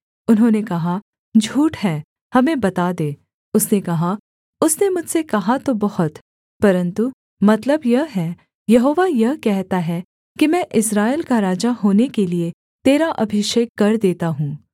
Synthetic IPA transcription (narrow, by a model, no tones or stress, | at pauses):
ʊnɦõːnekɐɦa | d͡ʒʱuːʈɦɛː | hɐmẽbɐt̪aːd̪eː | ʊsnekɐɦa | ʊsnemʊd͡ʒʱsekɐɦat̪obɐhʊt̪ | pɐɾə̃nt̪u | mɐt̪ləbjɐɦɦɛː | jɐɦoːʋajɐɦkɛɦt̪aɦɛ | kimɛ̃ːʔɪsɾaːɪlkaɾaːd͡ʒaɦoːnekelie | t̪eːɾaʔɐbʱɪʃeːkːɐɾd̪eːt̪aɦũː